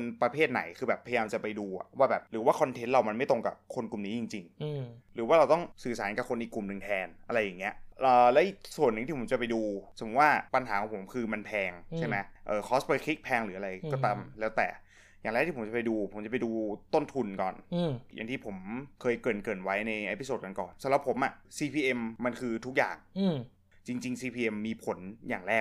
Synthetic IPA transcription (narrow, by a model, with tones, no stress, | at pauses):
npɾa˧pʰeː˥˩t̪̚na̰˩˦jkʰɯː˧bɛː˨˩pʰːa˧ja˧jaː˧mt͡ɕa˨˩pa˧jduː˧a̰˨˩waː˥˩bɛː˨˩p̚ɾɯː˩˦waː˥˩kʰɔ˧nt̪ʰe˦˥nɾa˧wma˧nma˥˩jt̪o˧˩ŋka̰˨˩p̚kʰo˧nku˨˩mniː˦jt͡ɕi˧ŋt͡ɕi˧ŋɾɯː˩˦waː˥˩ɾa˧wt̪ɔ˥˩ŋsɯː˨˩saː˩˦nka˨˩kʰo˧nʔiː˨˩kːu˨˩mnɯ˨˩ŋt̪ʰɛː˧nʔa˧ɾa˧jːaː˨˩ŋːi˦˥ɐʔʔɤː˨˩lɛː˦˥ʔi˨˩k̚su˨˩ənːɯ˨˩ŋt̪iː˥˩o˩˦mt͡ɕa˨˩pa˧jduː˧sʰɯ˨˦˩waː˥˩pa˧nɦa̰ː˩˦kɔ˨˩˦pʰo˩˦mkʰɯː˧ma˧npʰɛː˧ŋt͡ɕʰa˥˩ma˦jʔɤː˨˩kʰɔː˦˥spa˧kʰi˦˥k̚pʰɛː˧ŋɾɯː˩˦ʔa˧ɾa˧jkɔː˥˩t̪a˧mlɛː˦˥wt̪ɛ̰ː˨˩ | jaː˨˩ŋlɛ˦˥k̪̚iː˥˩po˩˦t͡ɕa˨˩pa˧jduː˧pʰo˩˦mt͡ɕa˨˩pa˧jduː˧t̪o˥˩nt̪ʰu˧nkɔ̰ː˨˩nja̰˨˩ŋt̪ʰiː˥˩pʰo˩˦mkʰɤː˧jkɤː˨˩nkɤː˨˩nwa˦˥jna˧jʔe˦˥pi˧soː˨˩t̪̚ka˧nkɔ̰ː˨˩nsa˧˦mɾa˨˩pʰo˩˦mʔa˨˩siː˧pʰiː˧ʔe˧mːa˧nkʰɯː˧t̪ʰu˦˥k̚ja̰ː˨˩ŋ˩ | t͡ɕi˧ŋt͡ɕi˧ŋsiː˧pʰiː˧ʔe˧mːiː˧pʰo˩˦njaː˨˩ŋɾɛː˥˩